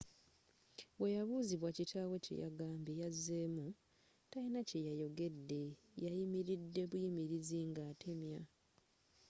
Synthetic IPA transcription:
βwe̞jaβuːziβwacitʰaːwece̞̰ja̰ɡaːmbejazːe̞ːmu | tainacejajo̞ɡe̞dːe̞ | jajimiɾidːe̞βujimiɾiziŋɡaːtʰemja

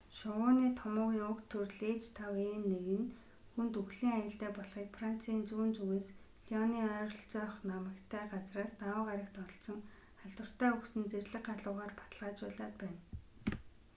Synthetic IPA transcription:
ʃʊwʊːniːt̪ʰɔmʊːɣiːŋʊkt̪ʰːɵrɮeːt͡ɕʰt̪ʰaweːnːeɣɘ̆n | xunt̪uɣɮiːŋajə̆ɬt̪æːpɔɮχiːkfran̥t͡sʰiːnt͡suːnt͡sɵɣeːs | ɮiɔniːœːrɞ̆ɬt͡sœːχnamə̆kt̪ʰæːɢat͡sraːsnawə̆ːʁaɾʲə̆kt̪ɔɬt͡sɞ̆ŋ | χaɮt̪wə̆r̥t̪æːuksɘ̆nt͡serɮɘ̆kɢaɮʊːʁaːrpḁt̪ə̆ɮʁaːt͡ɕpæːɮaːt̪pæːn

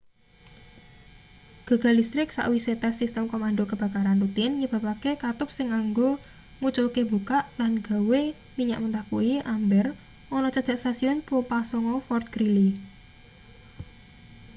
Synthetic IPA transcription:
ɡ̥a̤ɡ̥a̤list̪ɾɪk̚sa̰ʔwiset̪asist̪əmkomanɖokəb̥a̤kaɾanrut̪ɪnɲəb̥ä̤pakekat̪ʊp̚sɪŋaŋɡo | mut͡ʃokeb̥ṳkaʔlanɡ̥a̤we | miɲa̰ʔmənt̪akuiʔambɛr | ʔɔnɔt͡ʃad̥ʒ̥aʔst̪asiɔnpopasɔŋɔfɔrt̪̚ɡ̥ɾili

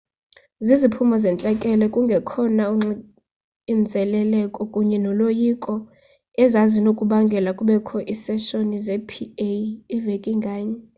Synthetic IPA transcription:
zizipʰumɔzɛnt͡ɬʼɛkʼɛlɛkʼuŋɡʱɛkʰɔnau | ind͡zʱɛlɛlɛkʼɔkʼuɲɛnɔlojikʼɔ | ɛzazinokʼuɓaŋɡʱɛlakʼuɓɛkʰɔʔisɛʃonizɛpʰieːvekʼiŋɡʱaːɲɛ

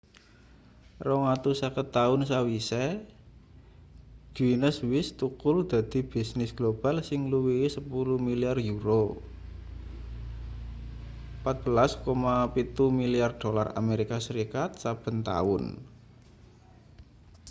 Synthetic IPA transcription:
rɔŋat̪usakət̪ːaʊnsawisɛ | ɡ̥winəswɪst̪ukʊld̪̥a̤d̪̥i̤b̥i̤snɪsɡ̥lob̥alsɪŋluwisəpuluhmiliarjuɾo | pat̪̚b̥ə̤laskomapit̪umiliard̥ola̰ra̰meɾikasəɾikat̪sab̥ə̤nt̪a̰ʊn

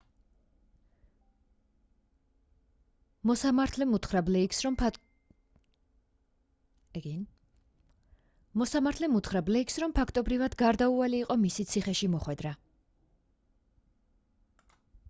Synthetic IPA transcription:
mɔsamat̪ʰlɛmut̪χɾablɛ | ɛɡin | mɔsamaɾt̪ʰlɛmut̪ʰχɾablɛiksɾɔmpʰakʰt̪ʼɔbɾivad̪ɡaɾd̪aualiːqʼɔmisit̪sʰiχɛʃimɔχwɛd̪ɾa

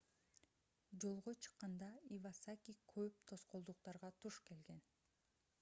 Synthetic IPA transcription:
d͡ʒo̞lˠʁot͡ʃʰɯ̥qːɑnd̪ɑivɑsakʲikʰøp̚t̪ʰo̞sqolˠd̪uq̚t̪ɑɾʁɑt̪ʰuʃke̞lɡe̞n

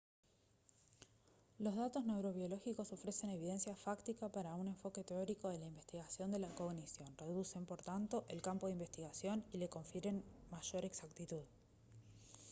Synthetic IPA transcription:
lo̞zðat̪o̞zne̞wɾo̞βjo̞lo̞xiko̞so̞fɾe̞se̞ne̞βiðe̞nsjafakt̪ikapaɾaune̞ɱfo̞ke̞t̪eo̞ɾiko̞ð̞e̞laimbe̞st̪iɣasjo̞nd̪e̞lako̞ɣnisjo̞nre̞ðuse̞mpo̞ɾt̪ant̪o̞ʔe̞lkampo̞ðeimbest̪iɣasjo̞nile̞ko̞ɱfjeɾe̞nmaʒo̞ɾe̞ksakt̪it̪uð

